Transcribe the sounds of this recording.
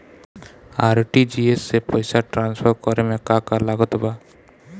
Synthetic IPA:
aɾʈid͡ʒiesːepɔjsaʈɾansfʰɔɾkɔɾemẽkakalaɡɔt̪oba

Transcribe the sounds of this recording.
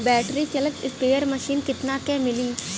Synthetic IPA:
bɛːʈɾit͡ʃɐlət̪ɪspeːəɾməʃiːnkɪt̪nakɛ̃mɪliː

